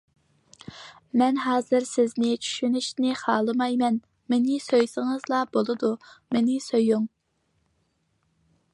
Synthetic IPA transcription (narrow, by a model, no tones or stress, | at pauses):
mɛnɦɑːzɨɾsɪznɪt͡ʃʰy̥ʃynyʃnɪχɑːlˠɨmɑjmɛn | menɪsøjsɨŋɨzlˠɑbolˠɨd̪umenɪsøjuŋ